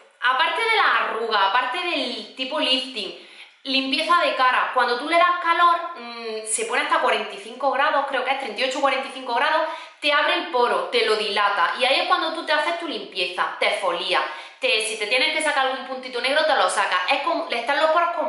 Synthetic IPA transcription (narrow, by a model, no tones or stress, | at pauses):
apaɾt̪e̞ðe̞laːruɣ̞aːpaɾt̪e̞ðe̞lt̪ipolift̪iŋ | limpje̞θaðe̞kaɾakwand̪ot̪ule̞ðahkalo̞ɾse̞poneast̪akwaɾẽ̞nt̪iθiŋko̞ɣ̞ɾaðo̞hkɾe̞okee̞ht̪ɾent̪iot͡ʃoukwaɾent̪iθiŋko̞ɣɾaðo̞h | t̪e̞aβɾelpo̞ɾot̪e̞lo̞ðilat̪a̰ʔiaie̞hkwand̪ot̪ut̪eaθe̞ht̪ulimpje̞θat̪efo̞lia̰ | t̪e̞sit̪e̞t̪je̞neŋke̞sakaɾalɣũmpũnt̪it̪one̞ɣ̞ɾot̪elo̞sakaʔe̞hkoŋleht̪alːo̞hpoɾokom